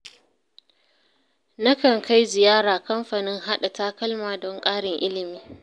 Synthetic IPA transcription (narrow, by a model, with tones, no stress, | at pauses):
na˦kɐ˨ŋka˦jzɪ˨jaː˦ɽaː˨kɐ˦mɸaː˨nɪ˦ŋɦa˦ɗa˨taː˦kɐ˦lmaː˨dɔ˦ŋkʼaː˦ɽɪ˨ŋʔɪ˦lɪ˨miː˦